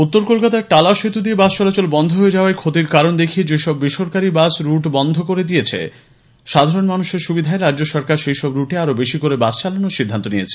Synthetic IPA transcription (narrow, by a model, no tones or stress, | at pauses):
ut̪ːoɾkolkat̪aʈalaʃet̪ud̪iebast͡ɕɔlat͡ɕolbɔnd̪ʱoɦoed͡ʑaoaekʰot̪iɾkaɾond̪ekʰied͡ʑeʃɔbːiʃoɾkaɾibasɾuʈbɔnd̪ʱokoɾed̪ijet͡ɕʰḛ | ʃad̪ʱaɾonmanuʃeɾʃubid̪ʱaeɾadːd͡ʑoʃɔɾkaɾʃejʃɔbɾuʈeaɾobeʃikoɾebast͡ɕalanoʃid̪ʱːant̪onijet͡ɕʰe̥